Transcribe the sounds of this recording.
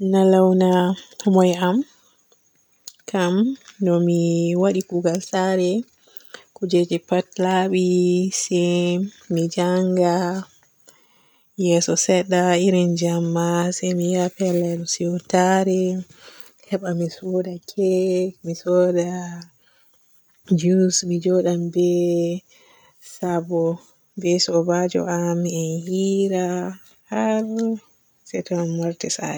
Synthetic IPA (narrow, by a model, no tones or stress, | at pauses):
nalawnahɔmɔjam | kʰamdɔmiwaɗikuɡalsaɾɛ | kud͡ʒed͡ʒɛpatlaɓisɛ | mid͡ʒaŋɡa | jɛsɔsɛɗːaiɾind͡ʒamːasɛmijapɛlːɛɗɔsiɔtaɾɛ | hɛɓamisɔdakʰɛmisɔda | d͡ʒuusmid͡ʒɔɗambɛ | sabɔ | bɛsɔbad͡ʒɔ̰ʔamiɛnhiɾa | haɾ | sɛtɔnanmaɾtɛsa̰ɛ